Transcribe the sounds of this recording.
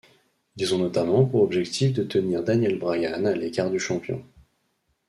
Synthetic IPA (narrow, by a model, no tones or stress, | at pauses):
d̪izɔ̃nɔt̪amɑ̃puʁɔbʒɛkt̪ʰifd̪ət̪əniʁd̪anjɛlbʁajanalekaʁd̪yʃɑ̃pjɔ̰̃